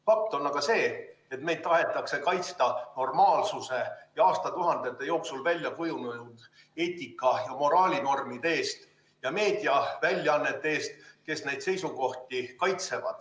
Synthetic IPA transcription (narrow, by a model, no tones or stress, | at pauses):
fɑk̚t̪ˑo̞nːɑɡ̥ɑse̞ːet̪me̞jd̪̥̚t̪ɑɦe̞t̪ːˑɑkse̞kɑjt̪st̪ɑno̞rmɑːlsuse̞jɑɑːst̪ɑt̪uɦɑnd̪̥e̞t̪ːˑe̞jo̞ːksulvælʲjɑkujununud̪̥ | e̞ːt̪ʲˑikːˑɑjɑmo̞ɾɑːlʲino̞rmid̪̥ee̞ːst̪ | jɑme̞ːd̪̥iɑvælʲjɑɑnːe̞t̪ːe̞eːst̪ke̞sne̞jd̪̥se̞jsuko̞ht̪ikɑjt̪se̞vɑ̰d̪̥